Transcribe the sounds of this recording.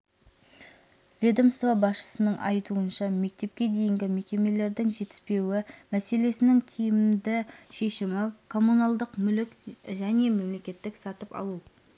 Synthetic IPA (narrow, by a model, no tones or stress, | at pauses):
vʲed̪omsvobɑsʃə̥sənəɴʔɑ̰jt̪uənʃɑme̞k̚t̪e̞p̚kʲe̞d̪e̞jɪŋɡʲɪme̞kʲe̞me̞le̞ɾd̪ɪŋʒe̞t̪ɪ̥spe̞wɪmæse̞le̞sɪnɪŋt̪ʲʰijɪmmd̪ɪʃe̞ʃɪmɪkʰo̞mːunɑlˠd̪əqmʏlɪkʒæne̞me̞mle̞kʲe̞t̪ːɪksɑt̪əpɑ̰lˠu